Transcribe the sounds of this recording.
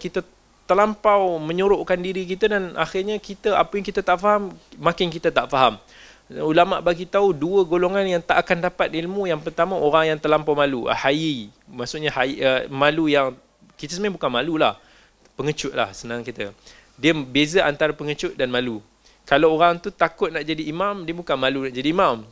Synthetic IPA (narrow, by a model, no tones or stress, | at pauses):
kit̪a | t̪əlampawmə̃ɲuɾoʔkandiɾikit̪adanaxɪrɲakit̪əʔapəjaŋkit̪ət̪aʔfaɦammãkɪnkit̪at̪aʔfaɦam | ulama̰ʔbaɡit̪auduəɡoloŋanjaŋt̪aʔakandapat̪̚ilmujaŋpərt̪amaoɾaŋjaŋt̪əlampawmalṵhaji | maʔsʊʔɲahaiəmalujaŋ | kit̪əsəmãbukanmãlulah | pəŋət͡ʃʊʔ̪̚la̰hsənãŋkit̪ə | diəbezaʔant̪aɾapəŋət͡ʃʊt̪̚danmalu | kalawoɾaŋt̪ut̪akʊt̪̚naʔd͡ʒadiːmamdiəbukanmalunaʔd͡ʒadiːmam